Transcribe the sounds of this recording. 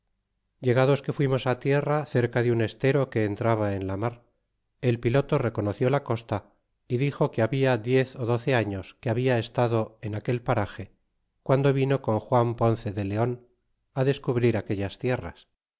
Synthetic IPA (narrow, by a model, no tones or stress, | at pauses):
ɟ͡ʝe̞ɣ̞aðo̞ske̞fwimo̞sat̪je̞raθe̞ɾkaðeune̞st̪e̞ɾo̞ke̞ːnt̪ɾaβ̞ae̞nlamaɾ | e̞lpilo̞t̪o̞re̞ko̞no̞θjo̞lako̞st̪a | iðixo̞keaβiaðje̞θo̞ðo̞θe̞aɲo̞skeaβiae̞st̪aðo̞enake̞lpaɾaxe̞ | kwand̪o̞βino̞ko̞ŋxwampo̞nθe̞ðe̞le̞o̞n | aðe̞skuβɾiɾake̞ʎast̪je̞ra̰s